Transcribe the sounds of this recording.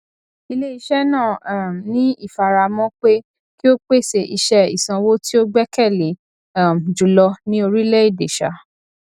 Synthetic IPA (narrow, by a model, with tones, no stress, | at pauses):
i˧le˦i˧˦ʃɛ˦nãː˦˨nĩ˦i˦˨fa˨ɾa˧˨mɔ̃˦k͡pe˦ | ki˦o˦k͡pe˦˨se˨˧i˧ʃɛ˦ḭ˨sã˧wo˦ti˦o˦ɡ͡bɛ˦kɛ˦˨le˨˦ | a˦˨m˨d͡ʒu˨˦lɔ˧nĩ˦o˧ɾi˦le˦i˦˨de˨ʃa̰˨˦